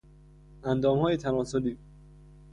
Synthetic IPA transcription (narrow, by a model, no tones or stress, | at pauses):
ʔænd̪ɒːmhɒːjet̪ʰænɒːsoliː